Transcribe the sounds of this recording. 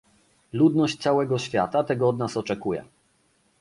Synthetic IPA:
lud̪nɔɕt͡ɕt̪sawɛɡɔɕfʲja̰t̪at̪ɛɡɔɔd̪nasɔt͡ʂɛkujɛ̰

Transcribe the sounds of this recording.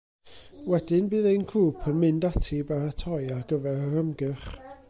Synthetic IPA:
wɛdɪnbɨːðejnkʰruːpʰənmɨndatʰibaɾatʰɔjaɡ̥əvɛɾəɾəmɡɨχ

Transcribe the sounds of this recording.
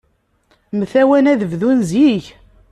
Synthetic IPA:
məθæwænæðəvðunzjiʝ

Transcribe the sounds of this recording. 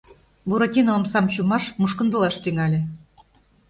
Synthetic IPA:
buɾotʲinoːmsɑmt͡ɕumɑʃmuʃkə̆nd̪ə̆lɑʃt̪yŋɑlʲĕ

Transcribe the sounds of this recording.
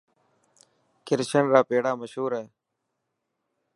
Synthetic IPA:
kɪɾʃənɾaːpeːɽaːməʃɦuːɾɦɛː

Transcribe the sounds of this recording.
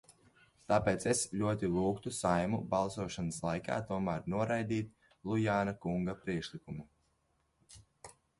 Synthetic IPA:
t̪aːpeːt̪sesʎʲuɔt̪ilˠuːkt̪usajmubalˠsuɔʃanəslˠajka̰ːt̪uɔmæɾnuɔɾajd̪iːt̪ | lˠujaːnakuŋɡapɾiɛkʃlˠikumu

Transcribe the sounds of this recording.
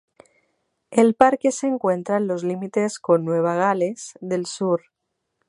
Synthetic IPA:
elpaɾke̞seŋkwe̞nt̪ɾaenlo̞zlimit̪e̞sko̞nːweβ̞aɣ̞ale̞z̥ðe̞lsuɾ

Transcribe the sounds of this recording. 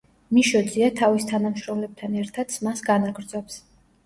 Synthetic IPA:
miʃɔd̪ziat̪ʰavist̪ʰanamʃɾɔmlɛb̚t̪ʰanɛɾt̪ʰad̪smasɡanaɡɾd̪zɔps

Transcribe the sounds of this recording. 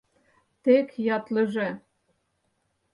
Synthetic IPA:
t̪ekjɑt̪lə̆ʒe

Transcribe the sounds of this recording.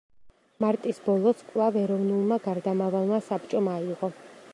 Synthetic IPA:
maɾt̪ʼisbɔlˠɔsʰkʼlˠavɛɾɔvnulˠmaɡaɾd̪amavalˠmasapt͡ʃʼɔmaiʁɔ

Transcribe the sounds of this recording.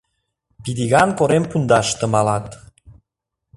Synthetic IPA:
pid̪iɣɑnkoɾempund̪ɑʃt̪ə̆mɑlɑt̪

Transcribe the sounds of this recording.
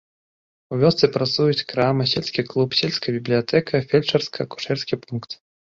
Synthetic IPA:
uvʲɔst̪sɨpɾat̪sujut͡sʲkɾamɨsʲɛlʲsʲkʲiklˠupsʲelʲskɐjɐbʲiblʲijat̪ɛkʰɐfʲɛlʲt͡ʂɐrskɐɐku̥ʂɛrsʲkʲipunkt̪

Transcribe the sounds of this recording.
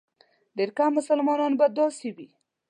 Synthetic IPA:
d̪eɾkamʊsalmɑnɑnbad̪ɑsibi

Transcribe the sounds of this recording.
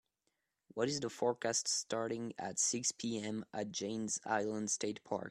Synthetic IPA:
wʌɾɨzðəfɔɹkʰæststʰɑɹɾɪ̃ŋɨ̰tsɪkspʰiɛ̃mʔət̚d̥ʒ̥ẽɪ̃nza̰ɪlˠə̃ndsteɪt̚pʰɑ̰ɹk

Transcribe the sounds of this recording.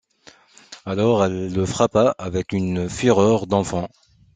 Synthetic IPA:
alɔʁɛlːəfχapaʔavɛkynfyʁœʁd̪ɑ̃fɑ̃

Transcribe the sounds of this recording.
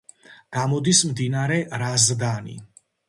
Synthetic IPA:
ɡ̥amɔd̪ismd̪inaɾɛɾazd̪anḭ

